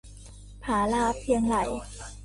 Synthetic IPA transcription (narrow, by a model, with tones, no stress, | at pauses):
pʰaː˩˦laː˧˩p̚ʰi˧əŋla˩˦j